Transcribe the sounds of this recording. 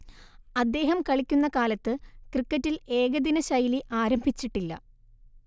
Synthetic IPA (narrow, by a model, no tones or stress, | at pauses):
ɐd̪ːe̞ːɦɐmkɐɭikʲːunːɐkaːlɐt̪ːɨkrikːɐtːile̞ːɣɐd̪inɐɕɐjliʔaːɾɐmbʱit͡ɕːiʈːilːɐ̰